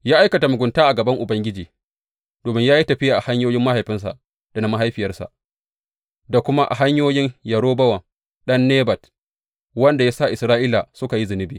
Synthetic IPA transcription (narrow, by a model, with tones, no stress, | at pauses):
jaː˦ʔa˦jkɐ˨ta˨mʊ˨ɡʷʊ˨ntaː˦ʔa˨ɡɐ˨bɐ˦ŋʔʊ˨bɐ˦ŋɡʲɪ˦d͡ʒiː˨ | doː˨mɪ˦ŋjaː˦ji˦tɐ˨ɸɪ˦jaː˨ʔa˨ha˦ɲjoː˦jɪ˦mːa˦ha˨jɸɪ˦ns̬a̰˨ʔ | d̥a˨na˦ma˦ɦa˦jɸɪ˨jɐ˦rsa̰˨ʔ | da˨kʷʊ˦ma˦ʔa̰˨ɦa˦ɲjoː˦jɪ˦ɲjɐ˨ɾoː˦bɐ˦wɐ˨ŋ | ɗɐ˦nːeː˦bɐ˨t | wɐ˦nda˨jaː˦sa˦˨ʔɪ˨sɾaː˦ʔiː˦la˨sʊ˦ka˨ji˦zɪ˨nɪ˦biː˨